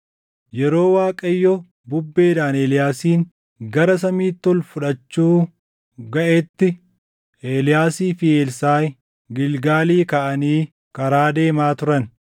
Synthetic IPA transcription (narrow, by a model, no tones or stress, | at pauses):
jɛɾo̞ːwaːkʼɐjːɔ | bʊbːe̞ːd̪aːneːlɪjaːsiːŋ | ɡɐɾɐs̬ɐmiːt̪ːɔlfʊᶑɐt͡ʃːuː | ɡɐʔet̪ːɪ | ʔeːlɪjaːsiːfɪeːlsaːj | ɡɪlɡaːliːkɐʔɐniː | kɐɾaːd̪e̞ːmaːt̪ʊɾɐn